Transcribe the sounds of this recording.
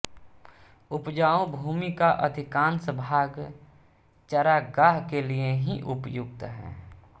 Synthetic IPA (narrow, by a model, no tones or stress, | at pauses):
ʊpd͡ʒaːõbʱuːmikaʔəd̪ʱɪkãːnsəbʱaːɡ | t͡ʃəɾaɡaːɦkelieɦiʔʊpjʊɡ̚t̪ɦɛ̰̃ː